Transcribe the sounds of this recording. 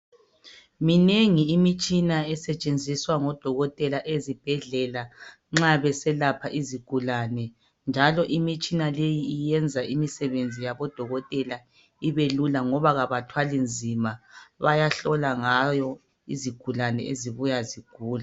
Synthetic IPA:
mineŋiːmit͡ʃʼinaɛsɛt͡ʃʼend͡zʱiswaŋɔd̥ʱɔɣɔtʼɛlaʔezib̥ʱɛɮɛla | ŋ͡ǁaβɛsɛlapʰaʔiziɡ̥ʱulanɛ | nd͡ʒʱalɔʔimit͡ʃʼinalejiːjɛnd͡zʱaʔimisɛβend͡zʱijaβɔd̥ʱɔɣɔtʼɛla | iβelulaŋɔβaɣaβatʰwalind͡zʱimaβajaɬɔlaŋajɔ | iziɡ̥ʱulanɛ̰ḛziβujaziɡ̥ʱuːla

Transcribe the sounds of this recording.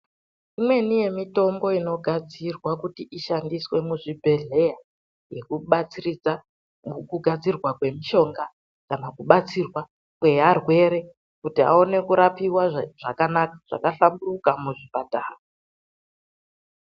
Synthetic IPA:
imwe̞nije̞mito̞mbo̞ino̞ɡʱad͡zirwakutiʔiʃandiswe̞muʐibʱe̞ɮe̞ja | je̞kuɓat͡sirid͡za | kuɡʱad͡zirwakwe̞miʃo̞ŋɡa | kanakuɓat͡sirwa | kwe̞arwe̞ɾe̞ | kutia̰o̞ne̞kuɾapiwaʐakanakḁʐ̥a̰kaɬamburukamuʐipadʱaːo

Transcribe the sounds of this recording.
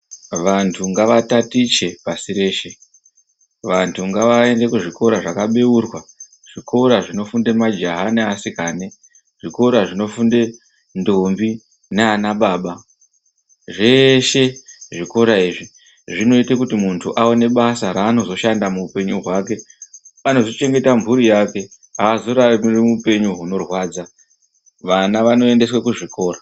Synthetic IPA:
ʋantʰuŋɡaʋatatit͡ʃe̞pasiɾe̞ːʃe̞ | ʋantʰuŋɡaʋae̞nde̞kuʐiko̞ɾaʐakaɓe̞urwa | ʐ̥iko̞ɾaʐino̞funde̞mad͡ʒaɦaneasikaːne̞ | ʐ̥iko̞ɾaʐino̞funde̞ | ndombi | neanaɓaːɓa | ʐe̞ʃe̞ʐiko̞ɾaiːʐi | ʐino̞itekutimuntʰuʔaone̞ɓasaɾaːno̞zo̞ʃandamuːpe̞ɲuɦwake̞ano̞zot͡ʃe̞ŋɡe̞tamvuɾijake̞ | aːzo̞ɾaiirimupe̞ɲuɦuno̞rwaːd͡za | ʋanaʋano̞e̞nde̞swakuʐiko̞ːɾa

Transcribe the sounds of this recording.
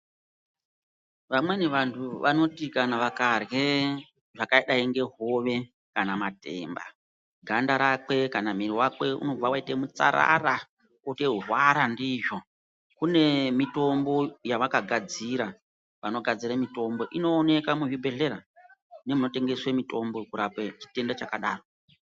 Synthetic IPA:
ʋamwe̞ne̞ʋantʰuʋano̞tikanaʋakare | ʐakaiɗaiŋɡe̞ɦo̞ʋe̞ | kanamate̞̰ːmba̰ | ɡʱandaɾake̞kanamiɾiwakwe̞ṵno̞b͡vawaitemut͡sa̰ɾa̰ra | koteɦurwaɾandiːʐo | kune̞mito̞mbo̞jaʋakaɡʱad͡ziɾa | ʋano̞ɡʱad͡ziɾamito̞mbo̞ʔino̞ːne̞kamuʐibʱe̞ɮe̞ɾa | ne̞muno̞te̞ŋɡe̞swemito̞mbo̞kuɾapwet͡ʃi̥te̞ndat͡ʃakaɗaːro

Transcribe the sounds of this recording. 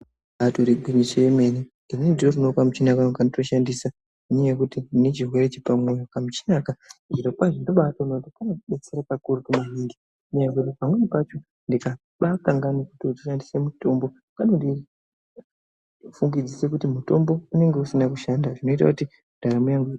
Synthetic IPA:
atoɾeɡʱwinit͡ʃeeme̞nidinnedirorinokwamut͡ʃinakakandoto̞ʃandisa | iɲejekutinet͡ʃirwe̞ɾet͡ʃipamwe̞jokamut͡ʃi̥nakaʐiɾopaʐindo̞ɓataunotikanokuɓet͡seɾakakurukumuɦinɡi | muɲaɡotipamwe̞nipat͡ʃo̞ | ndika | ɓakaŋɡanikutiotu̥ʃandisemuto̞mbo̞ | kanoti | fuŋɡid͡zise̞kutimuto̞mbo̞une̞ŋɡe̞usinakuʃandaʐino̞it̬akuti | udʱaɾamujaŋɡe

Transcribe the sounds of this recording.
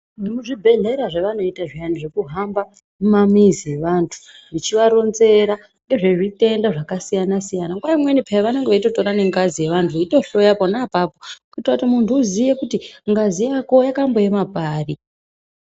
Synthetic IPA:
muʐibʱe̞ɮe̞ɾaʐeʋano̞itaʐijaniʐe̞kuɦamba | mumamizije̞ʋantʰu̥ | ʐit͡ʃiʋaɾo̞nze̞ɾa | ŋɡe̞ʐe̞ʐite̞ndaʐakasijanasijanaŋɡwaimwenipʰeʋaneŋɡeʋaito̞to̞ɾane̞ŋɡazije̞ʋantʰuito̞ɬo̞japo̞napaːpo̞kuitrautimuntʰuːzijekutiŋɡazijako̞jakambo̞jemapaːri

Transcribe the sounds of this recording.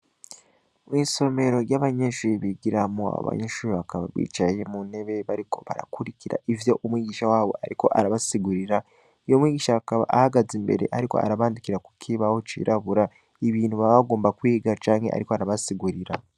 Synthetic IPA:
mwiːso̞me̞ɾo̞ɾjaβaɲeʃuːɾiβiɡiɾamuaa̰o̰βa̰ɲeʃuːɾiβakaβa̰βḭːt͡ʃaje̞mune̞βe̞βaɾiko̞βa̰ɾa̰kuɾiciɾa̰ʔivjo̞ʔumwiːɡiːʃawaːβo̞̰aɾiko̞̰ʔa̰ɾaβasiɡuɾiɾa | jomwiːɡiːʃaakaβa̰ʔahaɡazimbe̞̰ɾe̞̰ʔaɾiko̞̰a̰ɾaβaːndikiɾaku̥kʰiβahot͡ʃḭːɾʔaβuɾa | iβiːn̥huβaβaɡo̞ːmbakwiːɡat͡ʃaːŋhe̞ʔa̰ɾikoaɾaβasiɡuɾiɾa

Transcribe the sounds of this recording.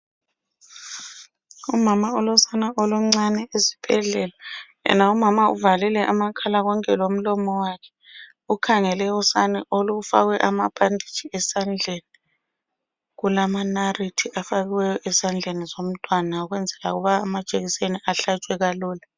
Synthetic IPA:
umamaɔlɔsanaʔɔlɔŋ͡ǀanɛezi̥b̥ʱɛɮɛla | ɛ̰naumamaṵvalilɛʔamakʰalaɣɔŋkʰʼɛlom̩lɔmɔwakʰɛ̥ | ukʰaŋɛlɛɔsanɛʔoluɣufa̰ɣwɛʔamapʼandʱi̥t͡ʃiɛsand͡ɮʱeni | ɣulamanaritʰiafaɣiwɛjɔʔɛsand͡ɮʱenizom̩tʼwanaɣwɛnd͡zʱɛla̰ɣuβaːmad̥ʒ̥ʱʼeɣiseniʔaɬat͡ʃʼwɛɣaluːla

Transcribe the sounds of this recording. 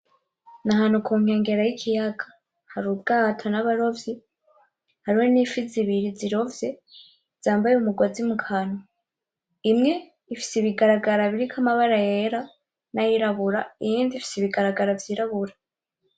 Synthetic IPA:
naɦaːn̥ukʰuːŋ̥e̞ːŋɡe̞ɾajikʰijaɡḁ | haɾub̚ɡatʰonaβaɾo̞vji | haɾiwonifiziβiɾiziɾo̞vje | z̥aːmbajeumuɡwazimukʰano | imŋe̞ | ifi̥siβiɡaɾaɡaɾaβiɾikʰamaβaɾajeɾa | najiɾaβuɾaijiːndifi̥siβiɡaɾaɡaɾavjiːɾaβuɾa

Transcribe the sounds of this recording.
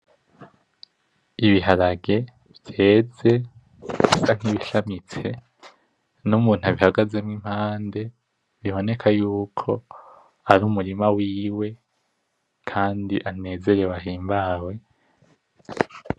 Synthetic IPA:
iβiɦaɾaɡe̞ | vje̞ːze̞ | isaŋ̥iβiʃamit͡se̞ | numuːn̥haβihaɡaze̞mŋim̥haːnde̞ | βiβo̞ne̞kʰajuːkʰo̞ | aɾuːmuɾimawiːwe̞ | kʰaːndiʔane̞ːze̞ɾewaɦiːmbaːwe̞

